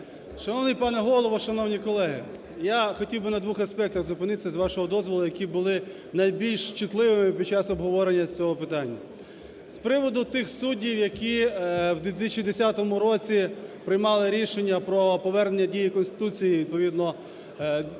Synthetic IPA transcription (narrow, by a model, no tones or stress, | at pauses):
ʃɐnɔwnɪjpɑnɛɦɔlˠɔʋɔʃɐnɔwnʲikɔlˠɛɦɪ̰ | jaxɔtʲiwbɪnɐd̪ʋuxɐspɛk̚t̪ɐɣzʊpɪnɪt̪esʲɐzʋɑʃɔɦɔd̪ɔzʋɔlˠʊjɐkʲibʊlˠɪ | nɐjbʲilʲʃt͡ʃʊt̪lˠɪʋɪmɪpʲid̚ʲt͡ʃɑsɔbɦɔʋɔɾenʲːɐt͡sʲɔɦɔpɪt̪ɑnʲːɐ | spɾɪʋɔd̪ʊt̪ɪxsudʲiwjɐkʲiwd̪ʲʋʲit̪ɪst͡ʃid̪esʲat̪ɔmʊɾɔt͡sʲipɾɪjmɑlˠɪɾʲiʃenʲːɐpɾɔpɔʋɛrnenʲːɐdʲijikɔnst̪ɪ̥t̪ut͡sʲijiʋʲid̪̚pɔʋʲid̪nɔ